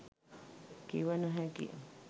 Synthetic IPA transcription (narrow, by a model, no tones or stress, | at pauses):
kiwanũɦẽkḭʔ